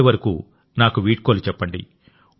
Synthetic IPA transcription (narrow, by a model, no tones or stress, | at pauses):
iʋɐɾɐkuː | naːkuʋiːʈ̚koːlut͡ʃɛpːɐɳɖḭ